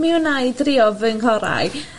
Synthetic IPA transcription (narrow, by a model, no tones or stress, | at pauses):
miwnajdriɔvənkʰɔɾa̰j